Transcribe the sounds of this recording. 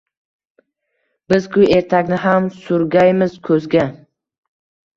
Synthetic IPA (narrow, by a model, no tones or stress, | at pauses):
bɪzkʰʲʊe̞ɾt̪ʰakʲnɪɦamsʊɾɡʲajmɪzkʰɵzɡʲa